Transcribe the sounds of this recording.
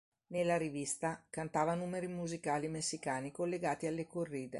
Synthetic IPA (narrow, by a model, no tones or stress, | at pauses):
nelːaɾivist̪akant̪aːvanuːmeɾimuzikaːlimesːikaːnikolːeɡaːt̪ialːekorːiːd̪ḛ